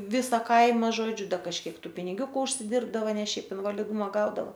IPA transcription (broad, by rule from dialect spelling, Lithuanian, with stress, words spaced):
ˈʋʲɪsɐ ˈkɐɪmɐ ˈʒoːd͡ʒʲʊ ˈdɐ kɐʃʲˈkʲiɛk ˈtuː pʲɪnʲɪˈɡʲuːkʊ ʊʃʲsʲɪˈdʲɪrbdɐʋɐ ˈnʲɛ ˈʃʲɛɪp ɪnʋɐlʲɪˈdʊmɐ ˈɡɐʊdɐʋoː